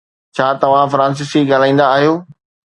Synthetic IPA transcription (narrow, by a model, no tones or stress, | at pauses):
t͡ɕʰaːt̪ɐʋ̤ãfɾãːns̬ɪsiɡaːl̤aːĩːn̆d̪aːɦijoː